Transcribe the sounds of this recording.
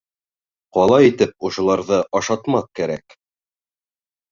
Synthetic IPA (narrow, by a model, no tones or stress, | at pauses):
qɒlˠɑit̪ɘp̚ŏʃŏlˠɑɾðɤʔɑʃɑt̪mɑθkæɾæ̰k